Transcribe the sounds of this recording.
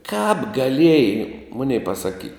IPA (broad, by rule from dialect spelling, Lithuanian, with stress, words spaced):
kɑːp ɡɐˈlʲeːjɛɪ ˈmʊnʲɛɪ pɐsɐˈkʲiː